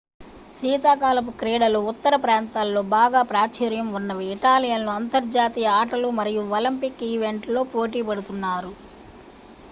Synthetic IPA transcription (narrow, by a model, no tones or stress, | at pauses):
siːt̪aːkaːlɐp̬ukɾɛːɽɐluut̪ːɐɾɐpɾaːnt̪aːlːo̞ːbaːɡaːpɾaːt͡ʃɐɾjɐmunːɐʋiːʈaːlijɐnluɐnt̪ɐɾd͡ʒaːt̪iːjɐaːʈɐlumɐɾijuɐlɐmpikːiːʋe̞ɳʈlo̞ːpo̞ːʈiːpɐɽut̪unːaːɾu